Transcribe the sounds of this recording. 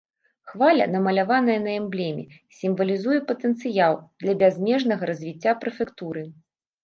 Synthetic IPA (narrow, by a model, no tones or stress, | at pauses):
xvalʲɐ̰nɐmɐlʲavanɐjɐnɐɛmblʲɛmʲɛ̰sʲimvɐlʲizujɛpɐt̪ɛnt̪sɨjalˠd̪lʲɐbʲazʲmʲɛʐnɐɣɐɾɐzʲvʲit͡sʲːapɾɨfʲɛkt̪uɾɨ